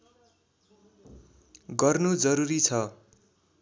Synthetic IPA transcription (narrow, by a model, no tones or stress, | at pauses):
ɡʌrnud͡zʌɾuɾit͡sʰʌ